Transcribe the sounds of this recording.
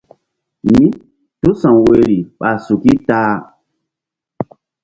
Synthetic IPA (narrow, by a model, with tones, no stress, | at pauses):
mĩ˦ | tu˦sã˨we˦ɾi˨ɓa˨su˨ki˦taː˦